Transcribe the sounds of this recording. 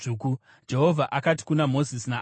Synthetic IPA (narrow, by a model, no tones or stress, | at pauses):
uku | d͡ʒe̞ɦo̞vʱaʔakati̥kunamo̞zisina